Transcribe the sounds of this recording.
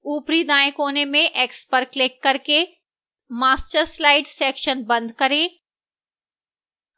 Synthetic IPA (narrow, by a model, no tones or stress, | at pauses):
uːpɾid̪ãːẽkoːnemẽʔeːkspɐɾklɪkːɐɾke | maːst͡ʃəɾslaːɪɖsɛːkʃənbɐ̃nd̪kɐɾẽː